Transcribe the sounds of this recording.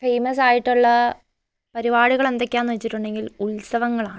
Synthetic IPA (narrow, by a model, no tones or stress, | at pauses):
fejmɐs̬aːjiʈːuɭːɐ | pɐɾibaːɽiɣɐɭe̞nd̪o̞kʲːjaːnːʋɐt͡ɕːiʈːuɳɖe̞ŋɡiluɭsɐʋɐŋːɐɭaːɳɨ